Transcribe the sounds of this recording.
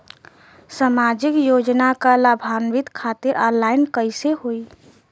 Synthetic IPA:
samad͡ʒɪkjod͡ʒnakalabʱanʋɪt̪kʰat̪ɪɾʔɔ̃nlaɪnkəɪseɦoi

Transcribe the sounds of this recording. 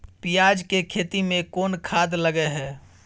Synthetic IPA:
pijaːd͡ʒkekʰeːt̪imẽkoːnkʰaːd̪ləɡeɦɛː

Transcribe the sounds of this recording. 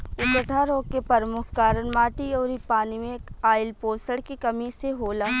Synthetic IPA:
ʊt̪ʈʰaɾoːkepɐɾmʊkʰkaːɾənmaːʈiɔːɾipaːnimẽaːɪlpoːsəɽkikɐmiseɦoːla

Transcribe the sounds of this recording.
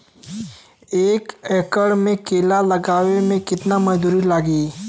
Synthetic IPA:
eːkɛːkəɽmẽkeːlalɐɡaːʋemẽkɪt̪namɐd͡ʒd̪uːɾilaːɡiː

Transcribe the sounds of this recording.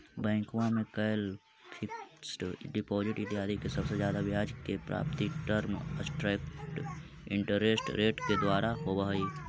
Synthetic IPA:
bɛ̃ːŋkʋamẽkɐjl | kʰɪksʈɖɪpoːzɪʈɪʈiaːd̪ikesɐbsezjaːd̪aʋɪaːd͡ʒkepɾa̰ːpt̪iʈəɾməsʈɾɛːkʈ | ɪ̃ɳʈəɾeːsʈɾeːʈked̪waːɾaɦoːbəɦiː

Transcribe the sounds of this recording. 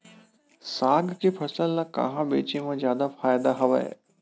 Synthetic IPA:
saːɡkepʰɐsəlːãkã̰ɦãbḛːt͡ʃemãzjaːd̪afaːjd̪aɦɐʋa̰ḛ

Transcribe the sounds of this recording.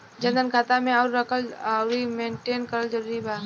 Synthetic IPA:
d͡ʒə̃nd̪ənkʰaːt̪amẽɔːɾːəkʰəlɾimẽːɳʈeːnkəɾəld͡ʒəɾuːɾibaː

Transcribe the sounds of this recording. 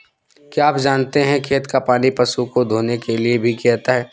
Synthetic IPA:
kiaːpd͡ʒaːnt̪eɦɛ̃kʰeːt̪kapaːnipɐsukod̪ʱoːnekeliebʱikɛt̪aɦɛː

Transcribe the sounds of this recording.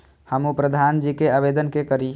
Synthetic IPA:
həmupɾəd̪ʱand͡ʒikeabed̪ənkekəɾi

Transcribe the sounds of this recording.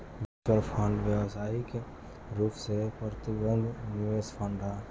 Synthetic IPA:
bɪt͡ʃəlpʰə̃ɳɖʋjəʋsaːike | ɾuːpʰsepɾət̪ɪɡənd̪ʱnɪʋespʰəɳɖɦa

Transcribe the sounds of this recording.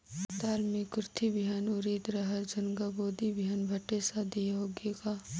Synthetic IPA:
t̪aːlmikɾt̪ʰibʱijaːnʊɾiːt̪ɾɐɦəɾd͡ʒʊnɡaboːd̪ibʱjaːnbʱɐʈesad̪ijaɦoːɡeɡaː

